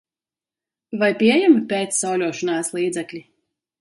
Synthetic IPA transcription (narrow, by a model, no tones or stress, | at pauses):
vajpʲiɛjɛmpʲeːt̪sːawlʲuɔʃɔnaːslˠiːd̪zɛklʲi